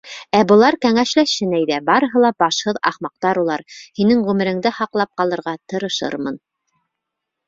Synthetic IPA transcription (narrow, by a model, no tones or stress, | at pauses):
æbɤ̆lˠɑɾkæŋæʃlæʃɘ̆næjðæbɑɾɤ̆ɦɤ̆lˠɑbɑʃhɤðɑχmɑq̚t̪ɑɾulˠɑɾhinɘŋʁʉmɘ̆ɾɘ̆ŋd̪ɘhɑqlˠɑp̚qɑlˠɤ̆ɾʁɑt̪ɤ̆ɾɤ̆ʃɤ̰ɾmɤn